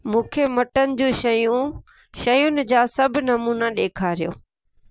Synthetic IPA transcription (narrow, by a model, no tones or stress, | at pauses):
mũːkʰemɐʈənɪ̆d͡ʑũːʃɐjũ | ʃɐjʊnɪ̆d͡ʑaːsɐbʱnɐmuːnaɗeːkʰaːɾijo̰ː